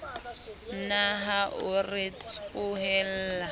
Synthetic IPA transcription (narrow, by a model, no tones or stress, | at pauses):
naɦaʔʊrɪt͡skʊɦɛl̩ːa